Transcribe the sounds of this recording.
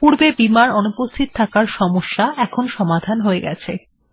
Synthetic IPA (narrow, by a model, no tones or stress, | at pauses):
puɾbebimaɾonupost̪ʰit̪̚t̪ʰakaɾʃɔmoʃːaɛkʰonʃɔmad̪ʱanɦoeɡɛ̰t͡ɕʰe